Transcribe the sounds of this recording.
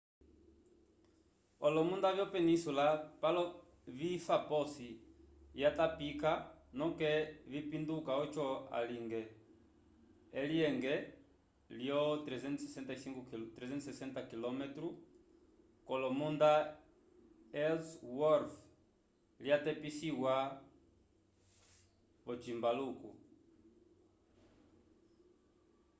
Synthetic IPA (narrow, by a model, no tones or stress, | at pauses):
ɔlɔmundavjɔpɛnisulapalɔ | vifapɔsi | jatapikanɔkɛvipindukaɔt͡ʃɔa̰liŋɡɛ | liɛŋɡɛ | ljɔtɾɛzɛnsɛsɛntasiŋɡutɾɛzɛnsɛsɛntakilɔmɛtɾu | kɔlɔmunda | ɛlswɔɾf | ljatɛpisiwa | βɔt͡ʃimbaluku